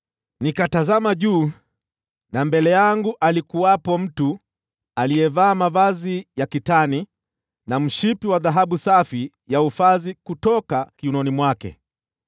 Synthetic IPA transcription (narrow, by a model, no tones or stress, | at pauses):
nikatazamaʄuː | nambɛlɛjaŋɡuʔalikuwapɔm̩tu | alijɛvaːmavazijakitani | nam̩ʃipiwaðaɦaɓusafi | jaufazikutɔkakiunɔnimwakɛ̰